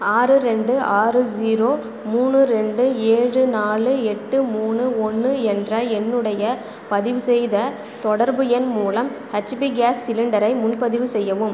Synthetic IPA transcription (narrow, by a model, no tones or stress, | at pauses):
aːɾɯɾɛɳɖɯʔaːrɯd͡ʒiːɾoː | muːɳɯɾɛɳɖɯeːɻɯnaːlɯɛʈːɯmuːnɯɔnːɯɛndrɐɛnːɯɽɐjɐ | pɐðɪʋɯsɛjðɐ | t̪ɔɽɐɾbɯɛnmuːlɐmhɐt͡ʃɪpiɡaːsːɪlɯɳɖɐɾɐɪmʊnpɐðɪʋɯsɛjːɐʋɯm